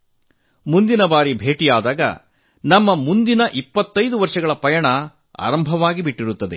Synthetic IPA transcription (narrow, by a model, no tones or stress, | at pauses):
mund̪inɐbaːɾibʱe̞ːʈijaːd̪aːɡɐ̰ | nɐmːɐmund̪inɐʔipːɐt̪ːɐjd̪uʋɐɾʂɐɡɐɭɐpɐjɐɳɐ | a̰ːɾɐmbʱɐʋaːɡibiʈːiɾut̪ːɐd̪e̞̰